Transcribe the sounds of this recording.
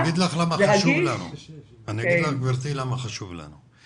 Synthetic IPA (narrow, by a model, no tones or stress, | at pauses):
ɡid̪laxlamaaʃuvlanṵʔaniɡid̪laxɡbiɾt̪ilamaxaʃuvlæ̰nu